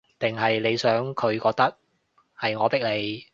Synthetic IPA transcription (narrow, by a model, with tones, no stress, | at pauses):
t̪ɪ˨ŋɦɐ˨jle˨˧jsœː˨˥ŋkʰɵ˨˧ɥkɔː˧k̚t̪ɐ˥k̚ | hɐ˨jŋɔː˨˧pɪ˥k̚le˨˧j